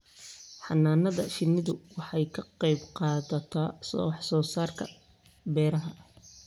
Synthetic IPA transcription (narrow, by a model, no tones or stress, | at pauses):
ħɑ̰naːnɐðɐʃɪnɪðʊwɑħɑjkʰɐqɛjbqɑːðɐt̪ʰɐsɔħsɔːsaːrkʰɐ̰ | bɛːɾɐɦɐ